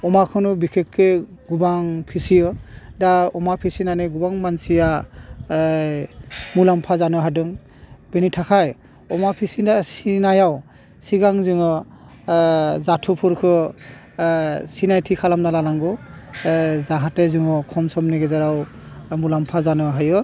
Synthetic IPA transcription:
ɔmakʰɯnɔbikʰekːeɡubaŋpʰisijɯdaɔmapʰisinanɯɡubaŋmansija | mulampʰazanɯɦadɯŋ | benitʰakʰaj | ɔmapʰisiasinajaw | siɡaŋzɯŋɔ | zatʰupʰuɾkʰɯ | sinajtʰikʰalamnalalaŋɡɔ | zaɦatezɯŋɔkʰɔmsɔmniɡezaɾaw | mulampʰazanɯaɦajɯ

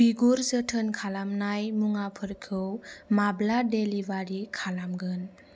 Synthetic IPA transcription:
b̥iɡuɾzətʰənkʰalamnajmuŋapʰɯɾkʰɯwmabladelibaɾikʰalamɡɯn

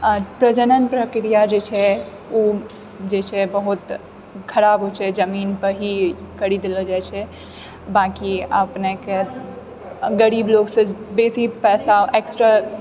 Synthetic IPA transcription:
pɾəd͡ʒənənpɾəkɾijad͡ʒet͡ʃʰɛ | u | d͡ʒet͡ʃʰɛbəɦut̪ | kʰəɾabʱɦot͡ʃʰɛd͡ʒəminpəɾɦikəɾid̪elɔd͡ʒajt͡ʃʰɛ | bakiə̰pneke | ɡəɾibloɡsə̃besipɛːsaeksʈɾa

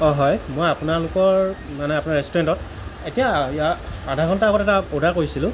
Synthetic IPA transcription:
ɔ̃ɦɔjmojapʊnalʊkɔɹ | manɛapʊnaɹɛstɔɹɛntɔt̚ | etijajaadʱaɡʱɔntaaɡɔtɛtapodʱaɹkoɹisilʊ̃

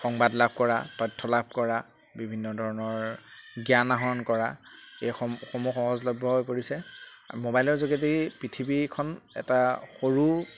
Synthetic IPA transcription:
xɔŋbadlab̚ʱkɔɹa̰tɔjtʰːɔlab̚ʱkɔɹa | bibʱinːɔdʱɔɹɔnɔɹɡjanaɦɔnkɔɹaejxɔxomuxɔɦɔzlɔbʱɔɦojpoɹisɛ̰mobajlɔɹzoɡetipɹitʰibikʰɔnɛ̰taxoɹu

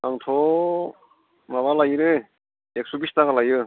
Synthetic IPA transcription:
aŋtʰo | maβalajɾɯ | ek̚subistaɡalajɯ

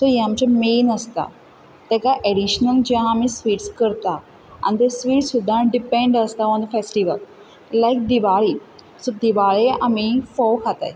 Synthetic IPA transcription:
t̪ɔjamt͡ɕamenəst̪a̰ | t̪ɛ̃kaʔeɽiɕnəld͡ʑeãamisʋiːʈskəɾt̪a | a̰nit̪esʋiːʈssud̪ʱːãnɖipẽɳɖəst̪aɔ̃nd̪əfesʈiʋəl | lajk̚d̪iʋaɭi | sɔd̪iʋaɭeamifɔkʰat̪a̰j

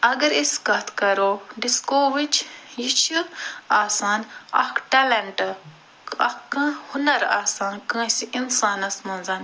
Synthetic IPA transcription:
ɐɡɐɾɪskɐt̪ʰkɐɾoːɖɪskoːʋɪt͡ʃʰjit͡ʃʰiaːsaːnɐ̰kʈɐlɐɳʈ | ɐkɐ̃hʊnɐɾaːsaːnkɐ̃ːsiʔɪnsaːnɐsmɐ̃nzaːn

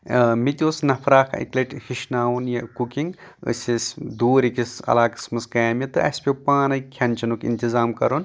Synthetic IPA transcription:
mit̪ʲoːsnɐpʰɾaːkʰḭklɐʈʲhiʃnaːwunjɐkukiŋɡɨ̰sʲisʲd̪uːɾikisɐ̰laːkɨ̥smɐsɡajmʲɐt̪ɨɐsʲpʲewpaːnɐjkʲʰjɐnʲt͡ʃɐnukḭnt̪ʲizaːmkɐɾun

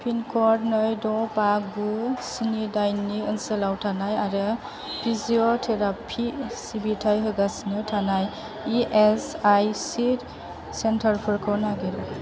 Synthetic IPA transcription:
pʰinkʰɔɾnɔjdɔpaɡusinidajniɯnsəlawtʰanajaɾɯ | pʰiziotʰeɾapʰisibitʰajɦɯɡasnɯtʰanaj | iʔesajsi | sentʰəɾpʰɯɾkʰɔnaɡeɾɔ

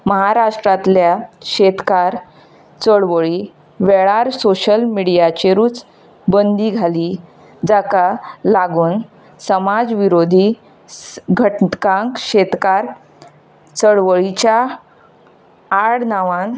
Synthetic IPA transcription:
məɦaɾaʂʈɾat̪ljaɕet̪kaɾ | t͡səɭʋəɭi | ʋeɭaɾsoɕəlmiɽijat͡ɕeɾuːt͡s | bənd̪iɡʱaliː | d͡zakalaɡuːn | səmad͡zʋiɾod̪ʱi | ɡʱəʈkãŋkɕet̪kaɾ | t͡səɽʋəɭit͡ɕja | ɽnaʋãn

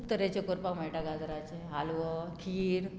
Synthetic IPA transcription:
pt̪əɾet͡ɕekoɾpakmajʈaɡad̪ɾat͡ɕeɦalʋəkʰiːɽ

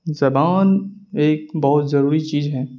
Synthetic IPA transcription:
zɐbaːneːk̚bɔɦʊt̪zɐɾuːɾit͡ʃiːzɦɛː

